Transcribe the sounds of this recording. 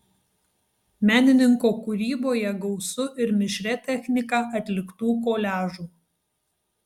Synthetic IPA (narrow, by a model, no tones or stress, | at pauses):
mʲæːnʲɪnʲɪŋkoːkʊɾʲiːboːjɛɡɒʊsʊʔɪɾmʲɪʃʲɾʲɛt̪ʲɛxʲnʲɪkɑʔɐt̪ʲlʲɪkt̪uːkoːlʲæːʒuː